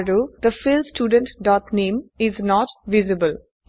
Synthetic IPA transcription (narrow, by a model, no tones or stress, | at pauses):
ɖoːd̪əfɪlsʈjuːɖə̃ɳʈɖɔːt̪nẽːmɪznɔːʈʋɪzɪbəl